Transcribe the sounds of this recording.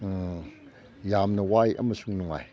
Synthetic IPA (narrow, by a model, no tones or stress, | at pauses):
jamnɐwajʔɐ̰mɐsuŋnuŋa̰j